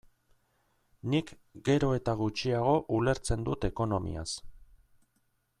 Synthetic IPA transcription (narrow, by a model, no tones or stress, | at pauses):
nik | ɡe̞ɾo̞e̞t̪aɣut͡ʃiaɣ̞o̞ʔule̞ɾt͡se̞nd̪ut̪e̞ko̞no̞mḭa̰s